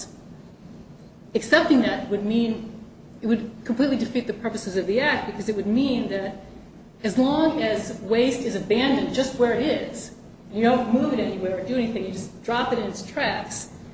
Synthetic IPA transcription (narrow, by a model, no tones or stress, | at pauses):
ɨksɛp̚tɪ̃ŋðɨt̚wɨd̚mĩn | ɨt̚wɨd̚kʰm̩pʰl̥itˡlidɨfit̪̚ðɨpʰɜ˞pɨsɨzʌvðiæk̚t̚b̥ɨkʰʌzɨt̚wɨd̚mĩnðɨɾ | ɨzlɔ̃ŋɨzweɪstɨzɨbæ̃ndɨ̃nd͡ʒʌst̚wə˞ɨɾɪz̥ | ɨ̃n̩jɨɾõʊ̃nmuvɨɾɨ̃njɨwɨɾə˞dɨɛ̃niθɪ̃ŋjɨd͡ʒʌsd̥ɹɑpɨɾɨ̃nɨtstʰɹ̥æks